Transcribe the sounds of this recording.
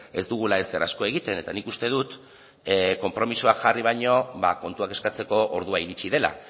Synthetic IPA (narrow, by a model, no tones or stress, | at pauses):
e̞zd̪uɣ̞ulae̞sera̰sko̞e̞ɣ̞it̪e̞ne̞t̪anikust̪e̞ðut̪ | ko̞mpɾo̞misoakʝariβ̞ajɲo̞βa̰ko̞nt̪uake̞skat͡se̞ko̞ʔoɾð̞uaiɾit͡ʃiðe̞la̰